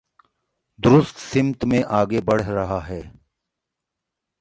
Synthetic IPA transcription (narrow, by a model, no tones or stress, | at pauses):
d̪ʊɾʊst̪sɪmt̪mẽʔaːɡebɐɽ̤ɾɐɦaɦɛː